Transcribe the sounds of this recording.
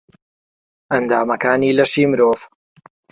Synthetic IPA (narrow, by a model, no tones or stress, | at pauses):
ʔɐnd̪aːmɐkaːniːlɐʃiːmɨɾoːv